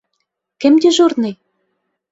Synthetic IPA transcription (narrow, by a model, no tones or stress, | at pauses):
kɘ̆md̪ʲĕʒorne